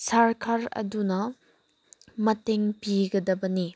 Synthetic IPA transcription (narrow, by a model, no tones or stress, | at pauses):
saɾkʰaɾɐ̰dunɐ | mɐteŋpiɡɐdɐbɐni